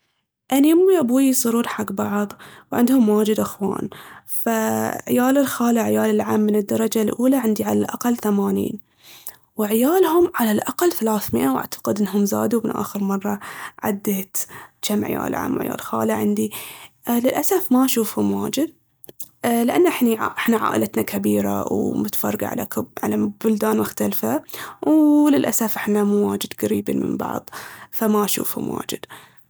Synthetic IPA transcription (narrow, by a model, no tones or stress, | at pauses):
ʔaniʊmːiʔabuːjisˤʊɾuːɾħaɡbɑʕðˤwʕɪ̰nd̪hʊmwaːd͡ʒɪd̪ʔaxwa̰ːnfaʕɪ̰jaːlɪlxaːlaʕɪjaːlɪlʕaːmːɪnɪd̪ːɑɾˤɑd͡ʒalʔuːlaʕɪnd̪iʕalalʔa̰qɑlːθamaːnḭːn | wʕɪjaːlhʊmʕalalʔaqalːθalaːθmɪʔawʔa̰ʕt̪ḁqɪd̪ʔɪnːɦʊmza̰ːd̪umɪnʔa̰ːxɪɾmɑrˤːɑʕa̰d̪ːeːt̪t͡ʃamʕɪ̰ja̰ːlʕa̰ːmwʕɪ̰ja̰ːlxa̰ːlaʕɪnd̪i | lɪlʔasafmaʃuːfhʊmwaːd͡ʒɪd̪̚ | lɪʔanːʔɪħniʕʔɪħnaʕa̰ːʔɪlʔat̪nakʰabiːɾa̰wmʊt̪fɑrˤːɑɡa̰ʕa̰laʕa̰lab̥ʊld̪aːnmʊxt̪alfawlɪlʔasafʔɪħnamuːwaːd͡ʒɪd̪ɣaɾiːba̰nmɪ̰mbɑ̰ʕðˤfamaʃṵːfhʊ̰mwʔa̰ːd͡ʒɪd̪̥